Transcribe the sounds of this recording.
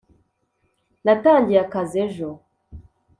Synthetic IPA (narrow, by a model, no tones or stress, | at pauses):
nataɲɟijakazeʒo